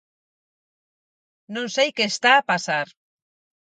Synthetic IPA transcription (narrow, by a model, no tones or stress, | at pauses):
nõnsejkest̪aːpasaɾ